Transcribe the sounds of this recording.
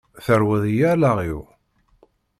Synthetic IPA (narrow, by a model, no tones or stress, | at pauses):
θəɾwəðjælaʁi